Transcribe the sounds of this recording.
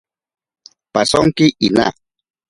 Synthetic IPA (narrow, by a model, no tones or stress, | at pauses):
pasoŋkɪʔina̰